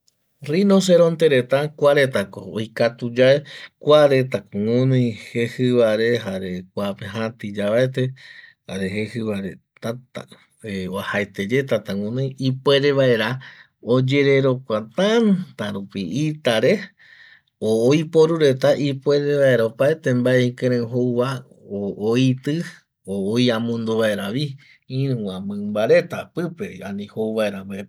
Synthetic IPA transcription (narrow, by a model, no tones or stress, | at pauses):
rinos̬eɾõnt̪eɾet̪akʷaɾe̞t̪ako̰ːjkat̪ud͡ʒaekʷaɾe̞t̪akoŋunĩjhehɨβaɾeɦaɾekʷapeɦãt̪id͡ʒaβaet̪ehaɾeɦehɨβaɾe | t̪at̪a̰ | eoahaet̪ed͡ʒet̪at̪aŋũnĩjipeɾeβaeɾa | od͡ʒe̞ɾe̞ɾo̞kʷat̪ant̪aɾupiit̪aɾe̞ | oːjpo̞ɾuɾe̞t̪aʔipwe̞ɾe̞βaeɾaopaet̪ẽmbaeĩkeɾ̃ẽɦoβa | ooit̪ɨ | oojãmũnd̪oβae̞ɾaʋi | ĩɾũãmɨ̃mbaɾe̞t̪apɨpe̞anĩhowβaeɾambae